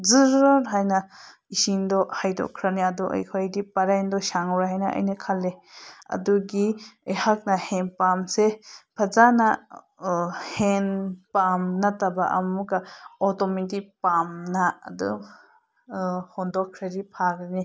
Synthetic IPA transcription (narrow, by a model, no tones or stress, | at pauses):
zɯɾɔɾɦajna | isindɔhajdɔ̰kʰɾaniadɔʔa̰jkʰɔjdipaɾajndɔʃaŋɾaɦajnaʔa̰jnakʰaleɐ̰duɡiejhak̚nahenpamsepʰazana | henpamnatabaʔɐmukaɔtɔmitipamna̰ːdṵ | hɔndɔkʰɾaɾipʰakɾni